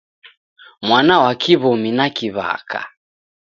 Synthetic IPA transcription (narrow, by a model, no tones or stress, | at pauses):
mwanawakiβɔminakiβa̰kʰa̰